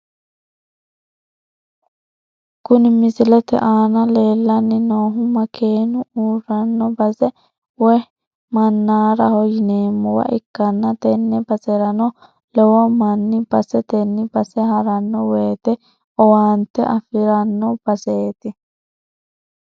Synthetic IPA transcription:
kʊnɪmɪsɪlɛt̪ɛ̰ʔaːnɐleːlːɐnːɪnoːɦʊmɐkʰeːnʊuːrɐnːɔbɐsɛ | wɛ | mɐnːaːɾɐhɔjɪneːmːɔwɐ̰ʔɪkːɐnːɐt̪ɛnːɛbɐsɛɾɐnɔ | lɛwɔmɐnːɪb̥ɐsɛt̪ɛnːɪbɐsɛhɐɾɐnːɔweːt̪ɛ | ɔwaːnt̪ɛʔɐfɪɾɐnːɔb̥ɐseːt̪ɪ

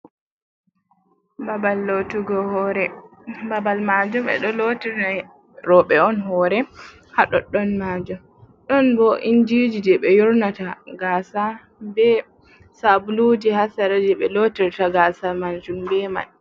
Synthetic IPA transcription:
babalːotuɡɔhɔɾɛbabalmad͡ʒumɛ̰ɗɔlotiɾna | ɾɔɓɛɔnɦɔɾɛ | haɗɔ̰ɗːɔnmad͡ʒum | ɗɔnbɔʔindid͡ʒid͡ʒɛɓɛjɔɾnataɡasa | bɛ | sabulud͡ʒihasaɾad͡ʒɛɓɛlotiɾtaɡasamand͡ʒumbɛma̰n

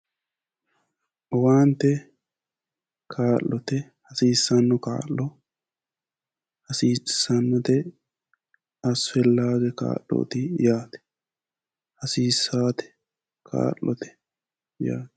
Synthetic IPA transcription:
ʔɔwaːnt̪ːɛ | kʰaːʔːɔt̪ɛ | hɐsiːsːɐnːɔka̰ːlːɔ | hɐsiːsːɐnːɔt̪ɛ | ɐsʊɛlːaːɡɛka̰ːʔːo̰ːt̪ɪjaːt̪ɛ̥ | hɐsiːsːaːt̪ɛ̥ | kʰa̰ːʔːɔ̰t̪ɛ̥ | ja̰ːt̪

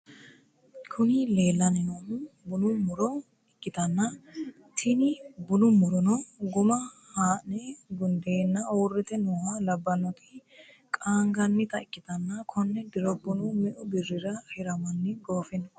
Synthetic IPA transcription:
kʰʊnɪle̞ːlːɐnɪnonʊbʊnʊmʊɾɔ | ɪkʼːɪt̪ɐnːɐ | t̪ʰɪnɪbʊnʊmʊɾɔnɔɡʊmɐ | haːʔnɛɡʊnd̪eːnːɐwːrːɛt̪ɛnuːhɐlɐbːɐnːɔt̪ɪ̥ | kʼaːŋɡɐnːɪt̪ɐɪkʼːɪt̪ɐnːɐkʰɔnːɛd̪ɪɾɔbːʊnʊmɛʔʊbɪrɪɾɐhɛɾɐmɐnːɪɡoːfɪnɔ

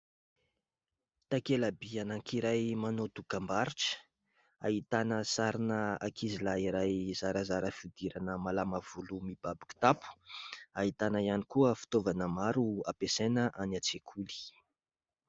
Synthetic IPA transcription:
t̪akelabianaŋkʰiɾajmanot̪ukambaɾiʈ͡ʂə̥ | a̰ɦit̪anəsaɾinəa̰kʰizilaiɾajzaɾəzaɾəfid̪iɾanəmalamav̥ulumib̥abi̥ku̥t̪apu̥aɦit̪anəianikuəfi̥t̪ovanəmaɾuapesenəʔanat͡sekʰuli̥

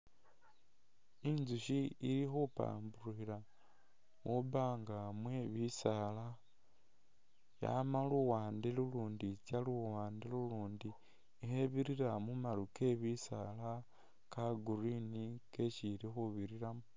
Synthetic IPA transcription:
inzuʃiiɾixupa̰ːmbuɾuxiɾa | mʔuβaːŋɡamweβisala | ja̰maluwaːndeluluːndicaluwaːndeluluːndi | eheβiɾiɾamumaɾuke̞βisa̰la | kaɡuɾinikeciɾixuβiɾiɾamu

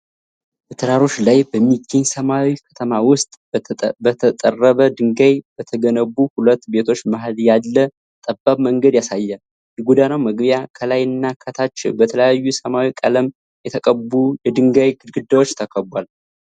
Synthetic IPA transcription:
bət̪ʰɨɾaɾo̞t͡ʃːlajbəmːiɡːeɲsəmawikʰə̥t̪ʰəmawʊst̪ʼ | bət̪ʰət̪ʼərːəβəd̪ɨŋɡajbət̪ʰəɡənəbuhulət̪ːbe̞t̪ʰo̞t͡ʃːmaɦljalːə | t̪ʼəbːaβməŋɡəd̪jasajːɛ | jɛɡud̪anawməɡbjakʰəlajɨnːakʰət̪ʰat͡ʃːbət̪ʰələjajːusəmawikʼələm | jɛt̪ʰəkʼəbujɛd̪ɨŋɡajɡɨd̪ɡɨd̪ːawo̞t͡ʃːt̪ʰəkʰʼəbwal

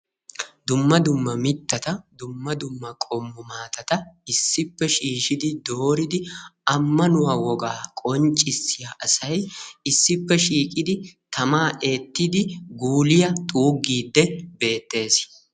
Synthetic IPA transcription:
d̪ʊmːɐd̪ʊmːɐmɪt̪ːɐt̪ɐd̪ʊmːɐd̪ʊmːɐkʼɔmːʊmaːt̪ɐt̪ɐɪsːɪpːɛʃiːʃɪd̪ɪd̪oːɾɪd̪ɪɐmːɐnʊwaːwɔɡaːkʼɔnt͡ʃʼːɪsːɪjaːʔɐsɐjɪsːɪpːɛʃiːkʼɪd̪ɪt̪ʰɐmaːʔe̞ːt̪ːɪd̪ɪɡuːlɪjɐt̪ʼuːɡːiːd̪ːɛbe̞ːt̪ːe̞ːs

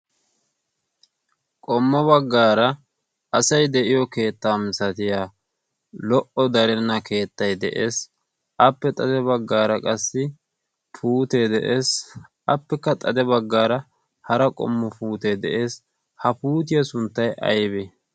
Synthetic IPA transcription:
kʼɔmːɔbɐɡːaːɾɐ | ɐsɐjd̪ɛʔɪjɔke̞ːt̪ːaːmɪsɐt̪ɪjaː | lɔʔɔd̪ɐɾɛnːɐke̞ːt̪ːɐjd̪ɛ̰ʔe̞ːs | ʔɐpːɛt̪ʼɐd̪ɛbɐɡːaːɾɐkʼɐsːɪ | pʰuːt̪ed̪ɛʔeːs | ʔɐpːɛkːɐt̪ʼɐd̪ɛbɐɡːaːɾɐ | hɐɾɐkʼɔ̰mːɔpuːt̪ed̪ɛʔe̞ːs | hɐpuːt̪̬ɪjɐsʊnt̪ːɐjɐ̰jbɛ

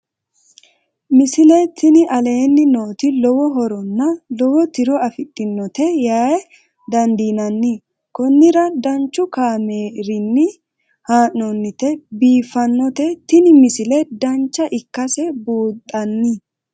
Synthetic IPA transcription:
mɪsɪlɛt̪ʰɪnɪʔɐle̞ːnːɪnoːt̪ɪlɔwɔɦɔɾɔnːɐlɔwɔt̪ɪɾɔɐfɪt̪ʼːɪnːɔt̪ɛjaːj | d̪ɐnd̪iːnɐnːɪ | kɔnːɪɾɐd̪ɐnt͡ʃːʊkaːmeːɾɪnːɪ | haːnːɔnːɪt̪ɛbiːfɐnːɔt̪ɛt̪ɪnɪmɪsɪlɛd̪ɐnt͡ʃːɐʔɪkːɐsɛbuːt̪ʼːɐnːɪ

